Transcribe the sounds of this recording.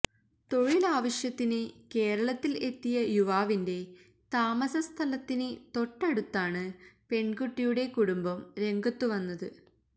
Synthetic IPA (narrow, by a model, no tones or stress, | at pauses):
t̪o̞ɻilaːʋɐɕjɐt̪ːinɨke̞ːɾɐɭɐt̪ːile̞t̪ːijɐjuʋaːʋinde̞ | t̪aːmɐsɐst̪ʰɐlɐt̪ːinɨt̪o̞ʈːɐɽut̪ːaːɳɨpe̞ɳɡuʈːijuɽe̞kuɽumbɐmɾe̞ŋɡɐt̪ːuʋɐnːɐðɨ